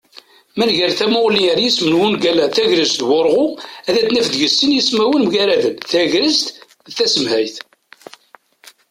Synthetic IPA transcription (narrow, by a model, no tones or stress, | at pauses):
mænʝəɾθæmʊʁliəɾjismənwunɡælæθæʝɾəzθwʊɾˤʁʊæðæt͡sːnæfd̪ʝəsːənjismæwənmʝæɾæðənθæʝɾəzt̪ | θæsəmhæjθ